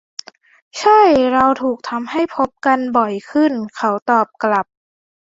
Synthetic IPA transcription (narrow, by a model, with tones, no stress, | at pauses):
t͡ɕʰa˥˩jɾa˧wt̪ʰuː˨˩k̚t̪ʰa˧mha˥˩jpʰo˦˥p̚ka˧nbɔ˨˩jkʰɯ˥˩nkʰa˦˥wt̪ɔː˨˩p̚kla˨˩p̚